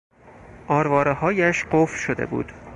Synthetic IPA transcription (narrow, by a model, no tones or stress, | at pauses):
ʔɒːɾvɒːɾehɒːjæʃɢofʃod̪ḛbṵːd̪̥